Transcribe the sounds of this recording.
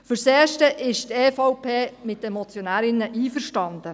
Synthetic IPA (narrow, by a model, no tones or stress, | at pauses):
fʏɾseːʃtəʔɪʃteːfɑwpʰeːmɪt̪ːɛmɔt͡sjonæːɾɪnːəʔiːfəɾʃtɑnd̪̥ə